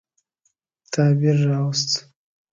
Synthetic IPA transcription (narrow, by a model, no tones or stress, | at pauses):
t̪ʰɑːbiɾːɑwst̪